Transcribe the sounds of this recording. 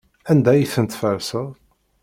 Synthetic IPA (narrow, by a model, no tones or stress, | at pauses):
ænd̪æjiθənt̪fəɾsəʁ